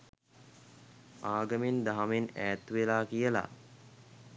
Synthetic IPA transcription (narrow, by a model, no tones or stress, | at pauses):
aːɡəmend̪aɦamenæːt̪ʋelaːkijəla̰